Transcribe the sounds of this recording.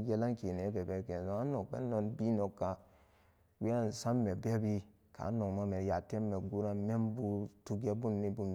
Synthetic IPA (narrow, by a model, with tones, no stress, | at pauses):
je˦la˦ŋke˨ne˨˦bɛ˨bɛ˦ɾke˨zo˦a˦no˨kbḛ˦o˦nbi˦no˨kːa˨ | wi˦a˦˨n˨sa˦mːe˨be˦bi˦ | ka̰˨˦no˨ma˦me˨ja˨te˦mːe˨ɡu˦ɾa˦me˦mbu˦tu˦ɡe˦bu˦nːi˦bu˦m